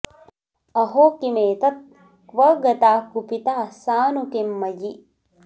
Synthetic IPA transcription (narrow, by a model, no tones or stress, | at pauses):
ɐɦoːkimeːt̪ɐt̪̚ | kʋɐɡɐt̪aːkupit̪aːsaːnukemːɐji